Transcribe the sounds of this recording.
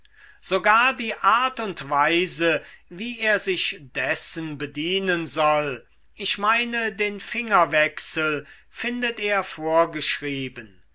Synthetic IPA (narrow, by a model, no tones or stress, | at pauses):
z̥oɡaːɐdiːʔaɐtʊntv̥aɪzəviːeːɐzɪçd̥ɛsənbədiːnənzɔl | ʔɪçmaɪnədeːnfɪŋɐvɛksəl | fɪndəteːɐfoːɐɡəʃʁ̥iːbən